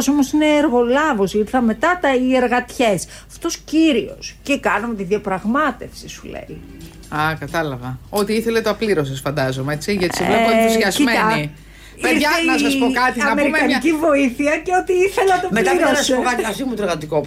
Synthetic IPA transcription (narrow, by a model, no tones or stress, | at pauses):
somosine̞ːɾɣo̞lɐvo̞siɾθɐme̞t̪ɐt̪ɐieɾɣɐt̪çes | ɐft̪o̞sciɾio̞̰sce̞kɐnɐmet̪iðiɐpɾɐɣmɐt̪e̞fsisulḛi | ɐkɐt̪ɐlɐvɐot̪iiθelet̪oɐpliɾo̞sesfɐnd̪ɐzomeet͡siʝɐt̪isivlezʝɐzimet̪ɐni | peɾɐenɐsɐspokɐt̪iɐnɐmeɾimɐnicivo̞iθiɐce̞ot̪iiθeleɐt̪oɐpmlɐiɾosseokɐt̪ɐfimut̪oeɾɣɐt̪iko